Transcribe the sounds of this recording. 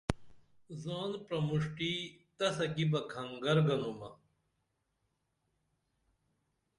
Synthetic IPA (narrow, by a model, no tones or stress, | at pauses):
zaːnpɾɐmuʂʈit̪ɐsɐkibɐkʰɐŋɡɐɾɡɐnumɐ